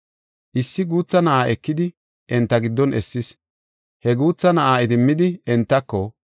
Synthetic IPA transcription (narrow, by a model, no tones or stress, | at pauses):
ʔɪsːɪɡuːt͡sːɐnɐʔaːʔɛkːɪd̪ɪ | ʔɛnt̪ːɐɡɪd̪ːɔnɛsːɪs | hɛɡuːt͡sːɐnɐʔaːɪd̪ɪmːɪd̪ɪɛnt̪ːɐkːɔ